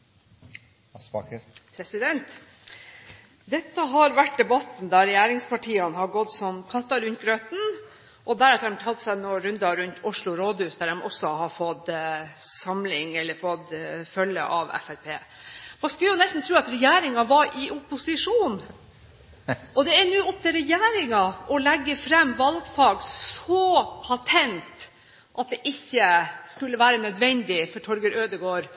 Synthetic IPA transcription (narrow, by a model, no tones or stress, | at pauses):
pɑkpʰɾɛsɪd̪ɛnt̪ | d̪ɛt̪ːəɦɑɾʋæʈ̚d̪ɛbɑt̪n̩d̪ɑɾɛjæːɾɪŋspʰɑʈʰiːɑnhɑɡɔd̪sɔmkʰɑt̪ːɑɾʉnt̪̚ɡɾøːt̪n̩ | ʔɔd̪æɾɛt̪ɾɛmt̪ʰɑlt̪sɛnɔɾʉnd̪ɑɾʉnt̪ʰʊʂɭʊɾoːd̪hʉːsd̪æɾɛmɔ̰sɔhɑɾfɔd̪ | sɑmlɪŋɛlːəɾfɔd̪fœlːə̰ʔɑʋɛ̰fæɾpʰeː | mɑnskʉljʊnɛst̪n̩t̪ʰɾʉːɑt̪ɾɛjæːɾɪŋɑʋɑɾʔɪʔʊpːʊsɪʂuːn | ɔd̪ɛɛnʉːɔp̚t̪ɪɾɛjæːɾɪŋɑʔɔlɛɡːəfɾɛmːʋɑlɡfɑːɡsɔpʰɑt̪ʰɛnt̪ | ʔɑt̪̚d̪ɛʔɪçːəskʉlːəʋæːɾənœd̪ʋɛnd̪ɪfɔʈʰɔɾɡəɾøːd̪əɡoːɾ